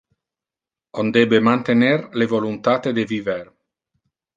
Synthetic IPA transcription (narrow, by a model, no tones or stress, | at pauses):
ond̪ɛbemant̪enɛrlevolunt̪at̪ed̪eviver